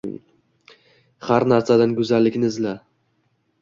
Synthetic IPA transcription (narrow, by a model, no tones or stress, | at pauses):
haɾnaɾsad̪anɡʊzalːɪkʲnɪzla